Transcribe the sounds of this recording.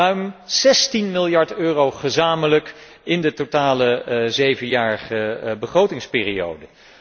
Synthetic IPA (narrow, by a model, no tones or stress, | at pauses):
œɥmz̥ɛstinmɪlˠjɑɹtøːrowχəzaːmələk | ɪndətotaːləzejvənjaːɹəχəbəχrowtɪŋspɪːrio̰wdə